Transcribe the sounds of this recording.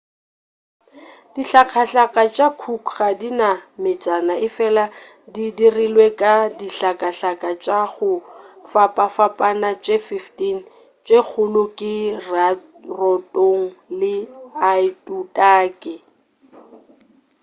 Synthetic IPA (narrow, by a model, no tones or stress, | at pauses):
d̥iɬakʰaɬakʼat͡ʃʼakʰukχadinamɪt͡sʼanaʔɪfɛla | didirilwekʼadiɬakʼaɬakʼat͡ʃʼaɣʊfapʼafapʼanat͡ʃʼefiftin | t͡ʃʼek͡xʰʊlʊkʼɪr | rɔtʼoŋ̩lɪaɪtʼutʼaːkʼɪ